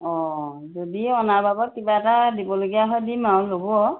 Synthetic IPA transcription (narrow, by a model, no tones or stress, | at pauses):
ɔ̃ | zodiɔnaɹbabɔt̚kibaɛtadibɔloɡijaɦɔjdimawloɡuɔ